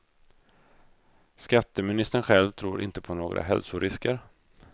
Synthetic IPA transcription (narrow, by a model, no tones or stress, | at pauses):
skat̪ːəmɪnɪst̪ənɧɛlvt̪ʰɾuːɾʔɪ̰nt̪əpʰɔnoːɡɾʔa̰ɦɛlsʊɾʔɪskəɾ